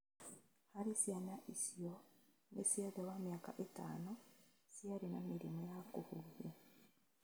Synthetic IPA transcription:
haɾisjanaʔisijo | nesjaðewamjaːka̰ʔeta̰ːnosjaɾinamiɾimojakuhuvi

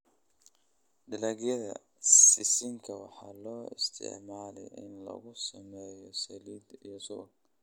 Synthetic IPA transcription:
ɖɪlɐɣjɐðɐ̰ | sɪsɪŋkʰɐwɑħɑːlɔːɪ̰st̪ʰɪ̰ʕmaːlɛ̰jɪ̰nlɐ̰ɣʊsɐmɛːjɔsɐliːd̪ijɔsʊk

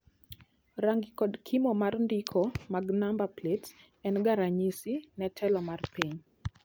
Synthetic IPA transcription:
ɾaŋɡikɔdkʰimɔmarndikʰɔmaɡnambaplets | ɛnɡaɾaɲisinɛtʰɛlɔmarpiɲ

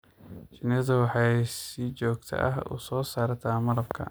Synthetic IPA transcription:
t͡ʃɪnɐðɐwɑħɑjsɪt͡ʃɔːɡ̚t̪ʰɐ̰ʔɐ̰ɦʊ̰sɔːsaːɾt̪ʰaːmɐlɐbkʰɐ̰

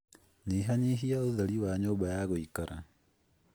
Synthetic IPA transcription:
niɦaɲiɦiauðaliwaɲoːbajaɣwikaɾa

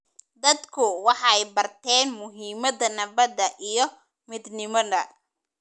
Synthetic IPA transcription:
d̪ɐd̪kʰʊwɑħɑɛjbɐrt̪ʰɛːnmʊɦiːmɐðɐnɐbɐd̪ɐʔijɞ | mɪd̪nɪmɐðɐ̰

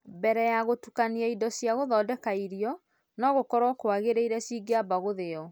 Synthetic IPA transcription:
bɛɾɛjaɣotukaniaidɔsjaɣoðɔːdɛkaiɾiɔ | nɔɣokɔɾɔkoaɣeɾeiɾɛsiːɡeabaɣoðeɔ

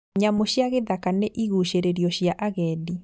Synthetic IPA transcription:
ɲamoɕjaɣeðakaneʔiɣuɕeɾeɾiɔɕjaʔaɣɛːdi

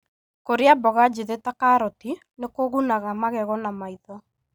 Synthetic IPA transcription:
koɾeabɔɣad͡ʒiðetakaɾɔti | nekoɣunaɣamaɣɛɣɔnamaiðɔ

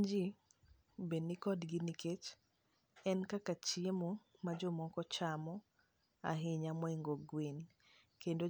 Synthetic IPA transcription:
d͡ʒi | benikɔdɡiniket͡ʃ | ɛnkakat͡ʃiemomad͡ʒɔmɔkɔt͡ʃamɔ | a̰ɦɪɲamwɛŋɡoɡwen | kendo

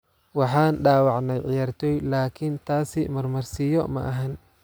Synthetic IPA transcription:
wɑħɑːnɖaːwɑʕnɛjʕɪjaːrt̪ʰɔːjlaːkʰɪnt̪ʰaːsɪmɐrmɐrsɪjɔmɐ̰ʔɐɦɐn

